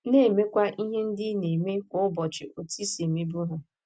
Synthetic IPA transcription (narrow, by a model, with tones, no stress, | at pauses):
ne˦˨me˦kʷa˦ʔi˦ɦe˦n̩˦dɪ˦ne˨me˦kʷɔ˦ʊ˦bɔ˨t͡ʃɪ˨o˨ti˦se˨me˦bu˦ɦʊ˨